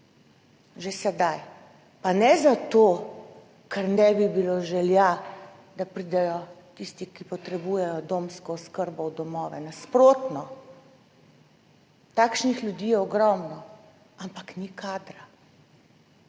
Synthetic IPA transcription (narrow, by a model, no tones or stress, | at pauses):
ʒesɛd̪aj | panɛzat̪oː | kʰɛɾnɛbibiloʒɛlja | d̪apɾiːd̪ɛjɔt̪ist̪ikipɔt̪ɾɛbuːjɛjɔd̪oːmskɔːskəɾbɔwd̪ɔmɔːʋɛnaspɾoːt̪nɔ | t̪aːkʃnixlʲjud̪iːjɛɔɡɾɔmnɔ | ampaknikaːd̪ɾa